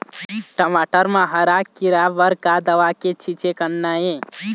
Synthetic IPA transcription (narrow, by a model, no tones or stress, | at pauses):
ʈəmaʈəɾmãɦəɾakːiɾabəɾkad̪əʋaket͡ʃʰit͡ʃekənːajẽ